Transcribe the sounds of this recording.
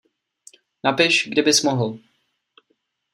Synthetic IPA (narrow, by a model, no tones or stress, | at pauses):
napɪʃɡdɪbɪsmoɦl̩